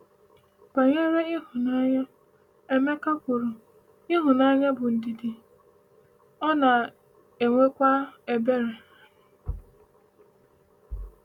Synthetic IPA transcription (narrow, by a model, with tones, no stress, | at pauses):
pa˨ɲe˦ɾe˦ɪ˦ɦʊ˨na˦ɲa˦ | e˦me˦ka˦kʷu˨ɾu˨ | ɪ˦ɦʊ˨na˦ɲa˦bʊ˨n̩˨di˨di˨ | ɔ˦na˨ | e˨ŋʷe˦kʷa˦e˨be˦ɾe˨